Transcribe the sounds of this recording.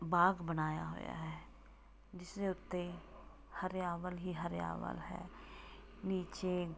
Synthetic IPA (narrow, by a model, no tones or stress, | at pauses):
baːɡbənaːja̰ːɦo̰ːja̰ːɦɛː | d͡ʒɪsd̪eːʊt̪ːe | həɾjaːʋəlɦiːɦəɾja̰ːʋə̰lɦɛ̰ː | niːt͡ʃeː